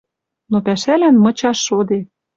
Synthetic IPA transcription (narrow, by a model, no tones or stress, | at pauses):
nopæʃælænmɤ̆t͡ɕɑʃːod̪e